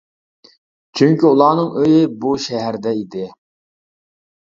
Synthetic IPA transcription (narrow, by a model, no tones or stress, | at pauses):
t͡ʃʰyŋkʲyulˠɑːnɨŋøjɪbuʃɛɦæɾd̪ɛid̪ɪ